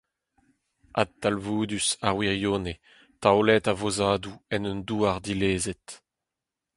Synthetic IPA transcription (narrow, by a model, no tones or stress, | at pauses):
a̰t̪ːalvuːd̪ysaʁwiʁjoːne | t̪awlɛt̪avozaːd̪uɛnønd̪uːaʁd̪ileːzet̪